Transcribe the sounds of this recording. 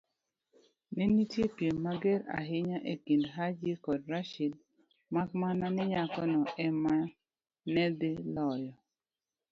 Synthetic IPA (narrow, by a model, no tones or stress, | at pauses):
nenitjepjenmaɡeɾa̰ɦɪɲaʔekindɦad͡ʒikɔdɾaʃil | makmananɪɲakɔnɔʔɛma | nɛd̪ɪlɔjɔ